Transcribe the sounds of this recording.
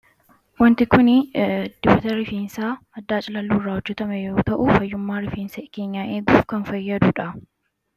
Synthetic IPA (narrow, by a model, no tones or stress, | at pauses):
wɐnt̪ɪkʊnɪd̪̥ɪbɐt̪ɐɾɪfiːnsaːɐd̪ːaːt͡ʃʼɪlɐlːuːrːaːhʊd͡ʒːɛt̪ɐmɛjo̞ːt̪ɐʔʊfɐjːʊmːaːɾɪfiːnsɐkeːɲːaːʔeːɡuːfkɐnfɐjːɐd̪ʊᶑɐ